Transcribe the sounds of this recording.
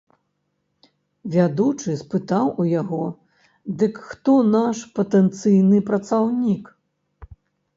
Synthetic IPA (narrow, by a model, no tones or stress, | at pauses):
vʲad̪ut͡ʂɨspɨt̪awʔujaɣɔ | d̪ɨkxt̪ɔnaʂpɐt̪ɛnt̪sɨjnɨpɾɐt̪sawnʲik